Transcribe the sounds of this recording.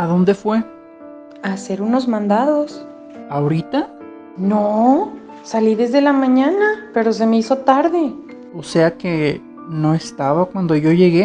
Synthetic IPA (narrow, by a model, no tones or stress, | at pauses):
aðo̞nd̪e̞fwe̞ | ase̞ɾuno̞zmãnd̪aðos | aoɾit̪a | no | saliðe̞zðe̞lamãɲãnape̞ɾo̞s̬e̞me̞iso̞t̪aɾðe̞ | ose̞ake̞ | no̞est̪aβakwand̪o̞ʝo̞ʝe̞ɣe